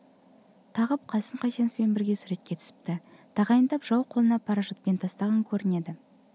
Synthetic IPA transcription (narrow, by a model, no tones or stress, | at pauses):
t̪ʰɑʁəp̚qʰɑsəmqʰɑjsenofpe̞nbɪɾɡʲe̞sʊɾe̞t̪̚kʲe̞t̪ʰʏ̥sɪ̥p̚t̪ɪ | t̪ʰɑʁɑjənd̪ɑpʒ̥ɑwqʰo̞lˠənɑpʰɑɾɑʒot̪̚pe̞nt̪ʰɑst̪ɑʁəŋkʲʰɵɾɪne̞d̪ɪ